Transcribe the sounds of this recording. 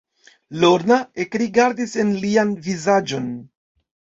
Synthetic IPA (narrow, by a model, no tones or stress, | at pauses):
loɾnae̞kɾiɡaɾdisenlianvizad͡ʒo̞n